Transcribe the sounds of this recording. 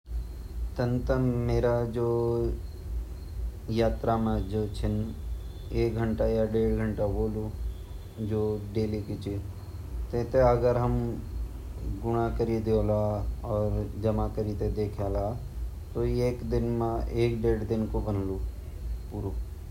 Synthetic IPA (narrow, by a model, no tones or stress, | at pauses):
t̪ɐ̃nt̪əmeːɾad͡ʒoː | jaːt̪ɾamãd͡ʒoːt͡ʃʰɪn | eːkɡʱə̃ɳʈajaɖeːɽɡʱəɳʈaboːlu | d͡ʒoːɖeːlikɪt͡ʃʰi | t̪ẽːt̪eɐɡəɾɦɐm | ɡʊɽ̃akəɾid̪oːlaːɔːɾd͡ʒɐmakəɾid̪ed̪eːkʰjaːlaːt̪oeːkd̪ɪnmãʔeːkɖeːɽd̪ɪnkobɐnlu | puɾoː